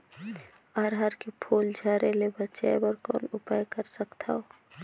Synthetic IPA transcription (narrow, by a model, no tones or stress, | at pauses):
əɾɦəɾkepʰuːld͡ʒʱaːɾelebətːt͡ʃaebəɾkɔ̰ːnʊpajkəɾsəkt̪ʰao